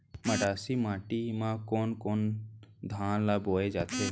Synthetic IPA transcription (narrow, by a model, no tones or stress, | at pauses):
mɐɖaːsimãːʈimãːkoːnkoːnd̪ʱãːnlaːboːed͡ʒaːt̪ʰeː